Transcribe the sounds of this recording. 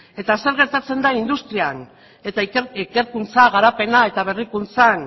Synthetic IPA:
e̞t̪ase̞ɾɣe̞ɾt̪at͡se̞nd̪aind̪ust̪ɾian | et̪aiike̞ɾkunt͡saɣ̞aɾape̞nae̞t̪aβ̞e̞rikunt͡san

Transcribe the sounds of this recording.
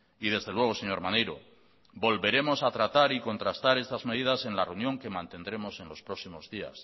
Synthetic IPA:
iðe̞zðe̞lwe̞ɣ̞o̞se̞ɲo̞ɾmanejɾo | bo̞lβe̞ɾe̞mo̞sat̪ɾat̪aɾiko̞nt̪ɾast̪aɾe̞st̪azme̞ð̞iðase̞nlareunjo̞ŋke̞mãnt̪e̞nd̪ɾe̞mo̞se̞nlo̞spɾo̞ksimo̞zðia̰s

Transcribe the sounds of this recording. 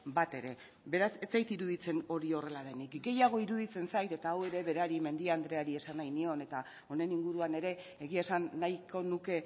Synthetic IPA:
bat̪e̞ɾe̞ | be̞ɾaset͡sajt̪iɾuðit͡se̞no̞ɾio̞re̞laðe̞nikɡe̞jaɣ̞o̞iɾuð̞it͡se̞nsajt̪e̞t̪aːwe̞ɾe̞βe̞ɾeaɾime̞nd̪iaand̪ɾe̞aɾie̞sanajnio̞ne̞t̪a | o̞ne̞niŋɡuɾuane̞ɾe̞ː | ɣiesanːajkʰo̞nuke̞

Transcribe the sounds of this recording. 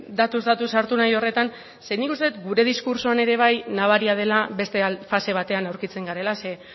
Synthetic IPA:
d̪at̪uzd̪at̪usaɾt̪unajo̞re̞t̪an | se̞nikust̪et̪ɡuɾe̞ðiskuɾsoane̞ɾe̞β̞ajnaβaɾiað̞e̞laβe̞st̪e̞afase̞β̞at̪e̞anawɾkit͡se̞ŋɡaɾe̞lase̞

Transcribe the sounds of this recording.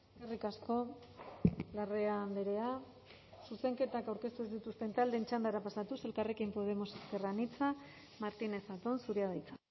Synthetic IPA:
karikasko̞ | lareand̪eɾe̞a | suse̞ŋke̞t̪akawɾke̞st̪uezd̪it̪ust̪e̞nt̪ald̪e̞ːnt͡ʃand̪aɾapasat̪use̞lkare̞kimpo̞ð̞e̞moseskeranit͡sa | maɾt̪ine̞θat̪onsuɾiaðajt͡sḁ

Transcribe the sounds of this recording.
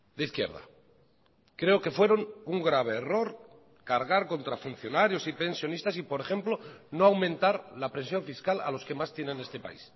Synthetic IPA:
d̪eiθkje̞̰ɾð̞a̰ | kɾe̞oke̞fwe̞ɾo̞nuŋɡɾaβ̞e̞ːro̞ɾ | kaɾɣ̞aɾko̞nt̪ɾafun̟θjo̞naɾjo̞sipe̞nsjo̞nist̪asipo̞ɾe̞xe̞mplo̞no̞awmẽnt̪aɾlapɾe̞nsjo̞ɱfiskala̰lo̞ske̞mast̪je̞nene̞st̪e̞pa̰ḭs

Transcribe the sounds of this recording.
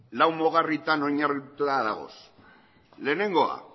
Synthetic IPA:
lawmo̞ɣ̞arit̪ano̞ɲarit̪uðaðaɣo̞̰s | le̞ːne̞ŋɡo̞a̰

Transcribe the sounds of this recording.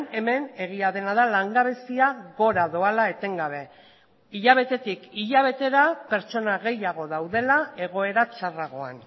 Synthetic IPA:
ne̞me̞ne̞ɣ̞iaðe̞nað̞alaŋɡaβe̞siaɣo̞ɾaðo̞alae̞t̪e̞ŋɡaβ̞e̞ | iʎaβ̞e̞t̪e̞t̪ikiʎaβ̞e̞t̪e̞ɾape̞ɾt͡ʃo̞naɣe̞jaɣ̞o̞ðawðe̞lae̞ɣo̞e̞ɾat͡ʃaraɣ̞o̞a̰n

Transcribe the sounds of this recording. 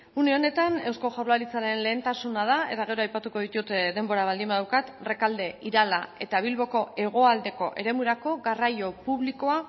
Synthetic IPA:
uneo̞ne̞t̪ane̞wsko̞ʝawlaɾit͡saɾe̞nle̞ːnt̪asunaðae̞t̪aɣ̞e̞ɾo̞ajpat̪uko̞ð̞it̪ut̪d̪e̞mbo̞ɾaβald̪imbaðawkat̪re̞kald̪e̞iɾalae̞t̪aβ̞ilβo̞ko̞e̞ɣ̞o̞ald̪e̞ko̞ʔe̞ɾe̞muɾako̞ɣarajo̞puβliko̞a

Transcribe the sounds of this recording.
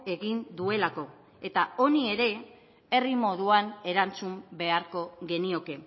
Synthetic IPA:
e̞ɣind̪ue̞lako̞ | e̞t̪ao̞nie̞ɾe̞ | e̞rimo̞ð̞uane̞ɾant͡sumbe̞aɾko̞ɣe̞nio̞ke̞

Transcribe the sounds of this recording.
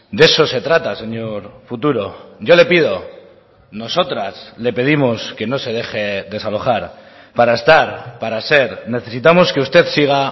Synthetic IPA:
d̪e̞so̞se̞t̪ɾat̪ase̞ɲoɾfut̪uɾo̞ʝo̞le̞pið̞o̞ | no̞so̞t̪ɾasle̞pe̞ð̞imo̞ske̞no̞se̞ð̞e̞xe̞ðe̞salo̞χaɾ | paɾaest̪aɾpaɾase̞ɾne̞θe̞sit̪̬amo̞ske̞ust̪e̞ðsiɣ̞a

